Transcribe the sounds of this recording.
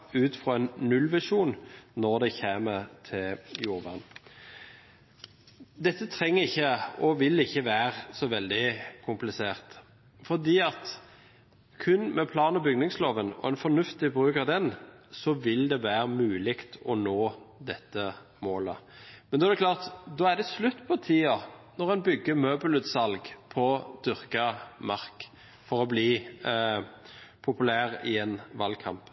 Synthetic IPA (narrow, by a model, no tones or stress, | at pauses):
ʉːt̪fʁoːɛnːʉlʋæʂuːnnɔʁd̪ɛçeːməɾt̪ʰɪljuːʁʋæ̰ʁn | d̪ɛt̪ːət̪ʰɾɛŋːəɪçːəɔʋɪlɪçːəʋæːʁəsɔʋɛld̪ɪkʰʊmplɪseːʁt̪ | fɔʁd̪iːɑt̪ | kʰʉnmɛpʰlɑːnɔbʏɡnɪŋsloːʋənɔ̰ɛnfɔnʉft̪ɪbʁʉːkɑd̪ɛnsɔʋɪld̪ɛʋæːɾəmʉːlɪkt̪ɔnoːd̪ɛt̪ːə | moːlə̰mɛnɔːæd̪ɛklɑːʁt̪d̪ɔːæʁd̪ɛslʉt̪ːpʰɔt̪ʰiːɑnɔʁɛnbʏɡːəmøːbəlʉt̪sɑlɡpʰɔd̪̥ʏʁkɑmɑʁk | fɔɾɔbliː | pʰʊpʉlæːʁɪɛnʋɑlkʰɑ̰mp